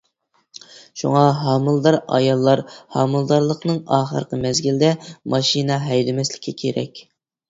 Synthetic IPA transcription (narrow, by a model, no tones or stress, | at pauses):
ʃṵŋɑɦɑːmɨlˠd̪ɑɾɑ̰jɑlˠːɑɾhɑːmɨlˠd̪ɑɾlˠəqnɨŋɑːχə̰ɾqʰəmɛzɡʲilɪd̪ɛmɑʃinɑɦɛjlɪmɛslɪ̥kʲʰːɛkʲʰeɾɛ̰kʲ